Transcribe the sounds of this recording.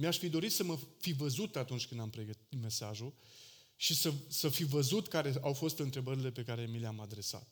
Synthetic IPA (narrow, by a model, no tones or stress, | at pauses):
miaʃfid̪o̞ɾit̪səməfivəzut̪at̪unt͡ʃʲkɨnd̪ampɾe̞ɡət̪it̪me̞saʒu | ʃisəsəfivəzut̪kaɾe̞awfo̞st̪ɨnt̪ɾe̞bəɾile̞pe̞kaɾe̞mileamad̪ɾe̞sa̰t̪̚